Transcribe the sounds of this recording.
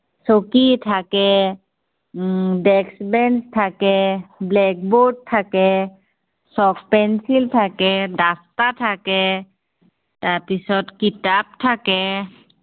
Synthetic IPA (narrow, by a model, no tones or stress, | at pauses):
sokitʰakɛ | dɛksbɛnstʰakɛblɛk̚bod̚tʰːakɛ | sɔkpɛnsiltʰakɛdastatʰakɛ | taɹpisɔtkitap̚tʰakɛ